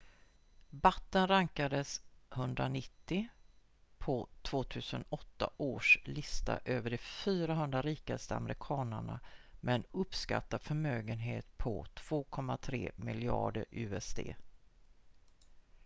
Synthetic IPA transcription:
bat̪ːənɾaŋkad̪əshɵnd̪ɾanɪt̪ːɪ | pʰɔt̪ʰv̥oːt̪ʰʉ̟ːsənɔt̪ːa̰ʔoːʂlɪst̪a̰ʔøːvəɖɛfyːɾaɦɵnd̪ɾaɾiːkast̪əa̰mɾɪkʰɑːnəɳamʔɛnɵpska̰t̪ːafœmøːɡənɦeːt̪pʰɔ̰t̪ʰv̥oːkʰɔmːat̪ʰɾḛːmɪlɪɑ̰ːɖəɾʉ̟ːɛsd̪ʰḛː

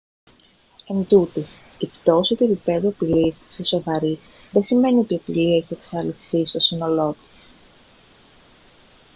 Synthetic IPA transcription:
e̞nd̪ut̪is | ipt̪o̞sot̪uepipe̞ðuɐpilisːeso̞vɐɾi | ðe̞sime̞nio̞t̪iɐpiliɐeçie̞ksɐliθist̪o̞sino̞lo̞t̪i̥s

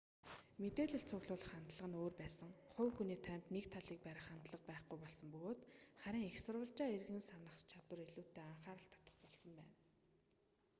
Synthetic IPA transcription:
met̪eːɮɘ̆ɮt͡sʰʊɣɮʊːɮə̆χant̪ɮə̆ʁə̆noːrpæːsə̆ŋχʊwxuniːt̪ʰæːm̥ʲt̪nekt̪ʰaɮiːk̚pæɾʲə̆χant̪ɮə̆q̚pæːχɡujpɔɮsə̆mpɵɣoːt̪χæɾʲɪ̆ŋexsʊrwə̆ɮt͡ɕaːerɣɘ̆nsanə̆χst͡ɕʰat̪wə̆reɮuːt̪ːeːaɴχaːɾə̆ɬt̪ʰɔ̥t̪ə̥̆χpɔɮsɞ̆mpæ̰ːn

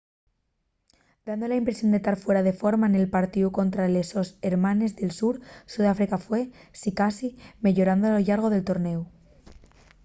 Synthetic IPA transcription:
d̪and̪o̞laimpɾe̞sjo̞nd̪et̪aɾfwe̞ɾað̞e̞fo̞ɾmane̞lpaɾt̪iuko̞nt̪ɾale̞so̞se̞ɾmane̞zðe̞lsuɾsuðafɾikafwe̞sikasimeʝo̞ɾand̪oloʝaɾɣ̞o̞ð̞e̞lt̪o̞ɾne̞u

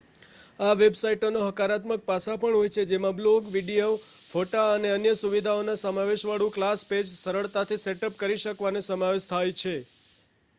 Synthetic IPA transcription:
aʋebsaiʈonoɦəkaɾat̪mək̚pasapəɳɦojt͡ʃʰed͡ʒemãbloɡʋiɖijofoʈaəneənjəsuʋid̪ʱaonasəmaʋeʃʋaɭũklasped͡ʒsəɾəɭt̪at̪ʰiseʈəpkəɾiʃəkʋanesəmaʋeʃt̪ʰajt͡ʃʰe

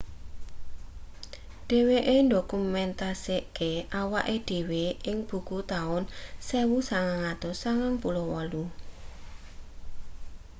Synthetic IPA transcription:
ɖ̥e̤weʔendokumɛnt̪aseʔkeʔawaʔeɖ̥e̤weʔɪŋb̥ṳkut̪aʊnsewusaŋaŋad̪̥ɔsaŋaŋpulowɔlu

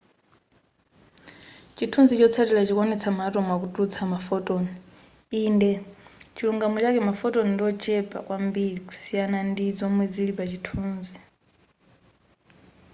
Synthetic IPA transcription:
t͡ʃitʰund͡zit͡ʃɔt͡sʰatilat͡ʃikɔnɛt͡sʰamatɔmwakutʼut͡sʰamafɔtʼɔni | iːndɛt͡ʃiluŋɡamut͡ʃakɛmafɔtɔnindɔt͡ʃʰʼɛpʼa̰kwambiɺiku̥sijanandid͡zɔmwɛd͡zilipat͡ʃitʰuːnzi

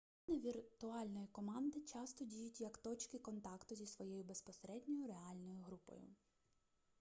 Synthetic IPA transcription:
ɔnɪʋʲirt̪ʊɑlʲnɔjikɔmɑnd̪ɪt͡ʃɑst̪ɔdʲijʊtʲjɐkt̪ɔt͡ʃkɪkɔnt̪ɑkt̪ʊzʲisʋɔjɛjʊbespɔseɾɛd̪ʲnʲɔjʊɾeɑlʲnɔjʊɦɾupɔ̰jʊ̰

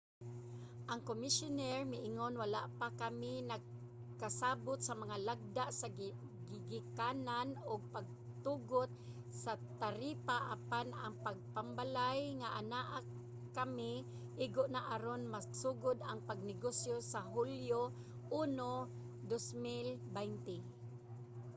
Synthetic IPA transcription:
ʔaŋkomɪsʊnɛɹmɪʔɪŋonwalaʔpakamɪnaɡ̚ | kasaːbʊt̪̚samaŋalaɡ̚d̪aʔsa | ɡɪɡɪkananʊɡ̚paɡ̚ | t̪uɡʊt̪̚ | sat̪aɾipaʔapanaŋpaɡ̚pambalajŋaʔanaʔa | kamɪ | ʔɪɡʊʔnaʔaɾonmasuɡʊd̪aŋpaɡ̚nɪɡosjosaɦuljo | ʔuno | d̪osmɪlbɛjnt̪ɪ

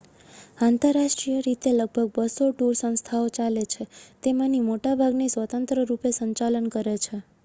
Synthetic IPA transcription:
ant̪əɾːaʃʈɾijəɾit̪eləɡ̚bʱəɡ̚bəsoʈuɾsə̃w̃st̪ʰaot͡ʃalet͡ʃʰet̪emãnimoʈabʱaɡnisʋət̪ənt̪ɾəɾupesəɲt͡ʃalənkəɾet͡ʃʰe

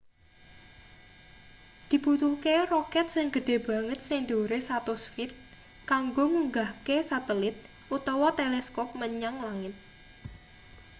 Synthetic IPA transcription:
d̪̥i̤but̪ukerɔkɛt̪̚sɪŋɡə̤ɖ̥e̤b̥ä̤ŋət̪̚sɪŋd̪oɾesat̪usfɪt̪̚ | kaŋɡomuŋɡahkesat̪əlɪt̪̚ | ʔut̪ɔwɔt̪elɛskɔp̚məɲaŋlaŋɪt̪̚

